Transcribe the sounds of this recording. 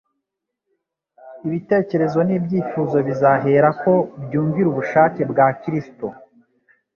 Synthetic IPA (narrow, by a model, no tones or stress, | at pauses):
iβite̞ːce̞ɾe̞zo̞nibɟiːfuːzo̞βizaɦe̞ɾako̞bjuːɱviɾuβuʃaːce̞bɡakiɾisto̰